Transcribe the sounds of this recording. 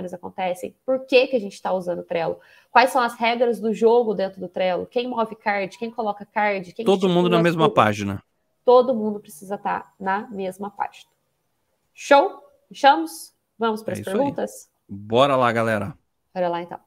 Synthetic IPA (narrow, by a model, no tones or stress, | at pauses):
nɪzakõnt̪ɛsḛ̃j̃poɾkekɪaʒẽnt͡ʃɪ̥t̪auzɐ̃d̪ʊt̪ɾɛlʊ | kwajsɐ̃w̃ɐshɛɡɾɐzd̪ʊʒoɡʊd̪ẽnt̪ɾʊd̪ʊt̪ɾɛlʊ̰kẽj̃mɔvɪkaɾd͡ʒɪkẽj̃kolɔkɐkaɾd͡ʒɪkẽj̃t̪od̪ʊmũd̪ʊnɐmezmɐpa̰ʒinɐ̰ | t̪od̪ʊmũnd̪ʊpɾesizɐt̪a̰ɾnɐmezmɐpa̰ʒinɐ | ʃow | ʃɐ̃mʊs | vɐ̃mʊspaɾɐspeɾɡũnt̪ɐs | bɔɾɐlaɡalɛɾɐ | paɾelaẽnt̪ɐ̰̃w̃